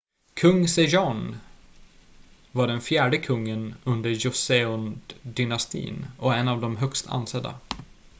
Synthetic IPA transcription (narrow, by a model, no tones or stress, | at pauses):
kʰɵŋːsɛʒɑn | vaɖɛnfjæːɖəkʰɵŋːənɵnd̪əɾjʊseɔnd̪ɪnast̪ḭːnɔɛnːavd̪ɔmɦœkst̪ʰa̰nsɛd̪a̰